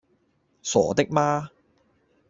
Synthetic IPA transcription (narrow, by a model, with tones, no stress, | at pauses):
sɔ̰ː˨˩t̪ɪ˥k̚maː˥